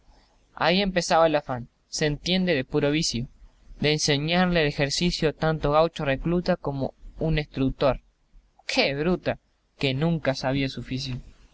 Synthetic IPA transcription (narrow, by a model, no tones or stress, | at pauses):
a̰ie̞mpe̞saβaelafan | sent̪je̞nd̪e̞ðepuɾoβ̞isjo | d̪eːnseɲaɾlelexeɾsisjot̪ant̪oɣ̞awt͡ʃoreklut̪ako̞mo̰unest̪ɾuk̚t̪o̞ɾ | kʰeβɾut̪a | ke̞nũŋkasaβiasufis̬jo